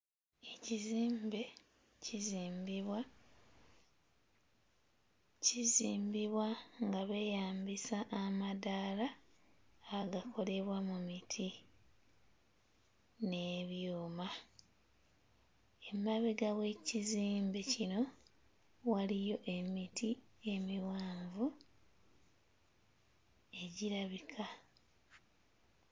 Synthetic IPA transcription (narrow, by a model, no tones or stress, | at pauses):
e̞ciziːmbe̞ | ciziːmbiβwa | ciziːmbiβwaŋɡaβe̞ːjaːmbisaʔːmadalaː | ɡakʰo̞le̞βwamumitʰi | ne̞βjuːma | e̞mːaβeɡawe̞ciziːmbecino̞ | walijo̞ʔe̞mitʰie̞miwaːɱvu | e̞ɟiɾaβikʰa